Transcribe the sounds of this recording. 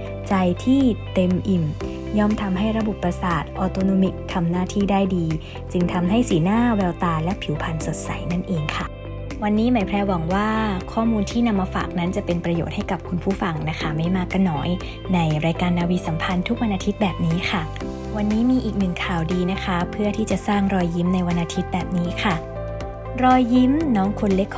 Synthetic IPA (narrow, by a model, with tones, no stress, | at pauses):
t͡ɕa˧jt̪ʰiː˥˩t̪e˧mʔi˨˩m | jɔː˥˩mt̪ʰa˧mɦa˥˩jɾa˧bo˨˩pːɾa˧saː˨˩t̪̚ʔɔː˧t̪oː˧noː˧mi˦˥k̚t̪ʰa˧mnaː˥˩t̪ʰiː˥˩daː˥˩jdiː˧ | t͡ɕɯ˧ŋt̪ʰa˧mɦa˥˩jsiː˩˦naː˥˩wɛː˧wt̪aː˧lɛ˦˥pʰi˨˩˦wpʰa˧nso˨˩t̪̚sa̰˩˦jna˥˩nʔeː˧ŋkʰa˥˩ | wa˧nːiː˦˥maː˩˦jpʰɾɛː˧wa˩˦ŋwaː˥˩kʰɔː˥˩muː˧nt̪ʰiː˥˩na˧mːaː˧fa̰ː˨˩k̚na˦˥nt͡ɕa˨˩pe˧npɾa˧jo̰ː˨˩t̪̚ha˥˩jka˨˩p̚kʰu˧npʰuː˥˩fa˧ŋna˦˥kʰa˦˥˩ma˥˩jmaː˧ka˥˩nɔː˦˥j | na˧jɾaː˧jkaː˧nːaː˧wiː˧sa˩˦mpʰa˧nt̪ʰu˦˥k̚wa˧nʔaː˧t̪ʰi˦˥t̪̚bɛː˨˩p̚niː˦˥kʰa˥˩ | wa˧nːiː˦˥miː˧ʔiː˨˩k̚nɯ˨˩ŋkʰaː˨˩wdiː˧na˦˥kʰa˦˥pʰɯ˥˩ɐt̪ʰiː˥˩t͡ɕa˨˩saː˥˩ŋɾɔː˧jːi˦˥mna˧jwa˧nʔaː˧t̪ʰi˦˥t̪̚bɛː˨˩p̚niː˦˥kʰa˥˩ | ɾɔː˧jːi˦˥mnɔː˦˥ŋkʰo˧nle˦˥kʰː